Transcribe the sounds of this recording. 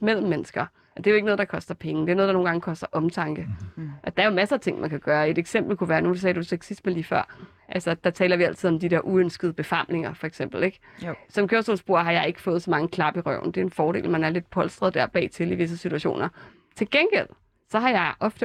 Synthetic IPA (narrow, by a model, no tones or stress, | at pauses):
mel̰m̩ːenəsɡ̥ɐ | ʔɒd̥e̝æjoeɡ̥ənɔ̽ðˠd̥ɑ̈kʰɒ̽sd̥ɐpʰeŋəd̥e̝ɐno̽ðˠd̥ɑno̝ːn̩ɡɑ̈ŋəkʰɒ̽sd̥ɐʔɒ̽mt͡sʰɑ̈ŋɡ̥əʔɒd̥ɑ̈æɐjo̝mæsɐːt͡sʰe̝ŋ̰mænkʰæɡ̥ɶːɐe̝d̥eɡ̥sem̰b̥l̩kuʋæːɐnus̬ɛːd̥usʰeɡ̥sisd̥meliːfɶɐ̰ | ʔælsɐd̥ɑ̈t͡sʰɛːlɐʋiæl̰t͡sʰið̞̰ˠɒ̽md̥id̥eɐʔuønsɡ̥ðˠəb̥e̝fɑ̈mle̝ŋɐfɒ̽eɡ̥sem̰b̥l̩eɡ̥ | sɒ̽mkʰøɐsɔlsb̥o̝ɐ̰ɦɑ̈jɑ̈ɪe̝ɡ̥ə̥fɔ̽ːð̩ˠsɒ̽mɑ̈ŋəkʰlɑ̈b̥iʁɶʊ̰n̩d̥e̝æenfɒːdɾe̝̰ːlmænæɐle̝d̥̚pʰɒ̽lsd̥ʁɐð̞ˠd̥æɐ̰b̥ɛ̰ːt͡sʰe̝liʋe̝s̬əsit͡sʰuæɕo̝̰ːnɐ | t͡sʰe̝lɡ̥enɡ̥el̰ | sɒ̽ɦɑ̈jɑ̈ɪʔɒ̽fd̥ə